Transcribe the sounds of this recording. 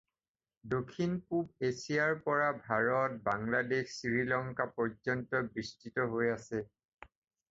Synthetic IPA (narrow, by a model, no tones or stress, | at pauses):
dokʰinpubesijaɹpɔɹabʱaɹɔt̚baŋladexsiɹilɔŋkapɔɹzɔntɔbɹistitɔɦojasɛ